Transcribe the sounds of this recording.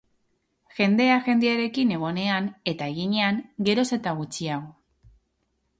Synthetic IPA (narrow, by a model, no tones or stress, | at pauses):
xe̞nd̪e̞aʝe̞nd̪eaɾe̞kine̞ɣ̞o̞ne̞aŋe̞t̪ae̞ɣ̞iɲe̞aŋɡe̞ɾo̞se̞t̪aɣ̞ut͡ʃiaɣ̞o̞